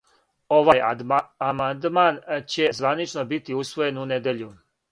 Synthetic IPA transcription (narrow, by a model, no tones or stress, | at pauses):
oʋaːjamand̪maːnt͡ɕe̞zʋanit͡ʃnobit̪iusʋo̞je̞nuned̪eʎu